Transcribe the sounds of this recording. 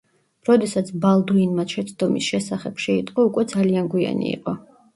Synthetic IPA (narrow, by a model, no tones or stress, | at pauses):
ɾɔd̪ɛsat̪sʰbalˠd̪uinmaʃʰɛt̪sʰd̪ɔmisʃɛsaχɛbʃɛit̪ʼqʼɔukʼwɛd̪zalianɡwia̰nḭḭqʼɔ